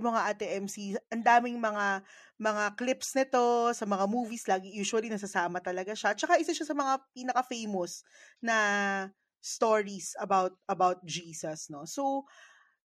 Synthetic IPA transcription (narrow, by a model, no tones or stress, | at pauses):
mɐŋaʔɐt̪ɛʔɛmsiʔɐnd̪aːmɪŋmɐŋa | mɐŋaklɪpsnɪt̪o̞sɐmɐŋamuːvislaːɡɪjuːʃwɐlinɐs̬ɐsaːmɐt̪ɐlɐɡaʃat͡ʃɐkaʔɪsaʃasɐmɐŋapiːnɐkɐfejmosnɐ | st̪oːɹisɐbawt̪̚ʔɐbawt̪̚d͡ʒiːsɐsno̞sow